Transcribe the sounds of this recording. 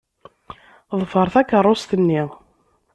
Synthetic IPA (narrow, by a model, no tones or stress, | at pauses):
ðˤfəɾˤθækːərˤːost̪ənːi